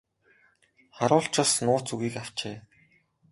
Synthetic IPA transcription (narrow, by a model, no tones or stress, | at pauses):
χaɾʊːɬt͡ɕɔ̆snʊːt͡suɣiːkaw̥t͡ɕeː